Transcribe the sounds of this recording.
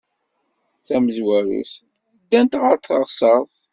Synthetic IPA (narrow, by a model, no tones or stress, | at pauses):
θæməzwæɾṵs | d̪ːænt̪ʁəɾθəʁsəɾˤθ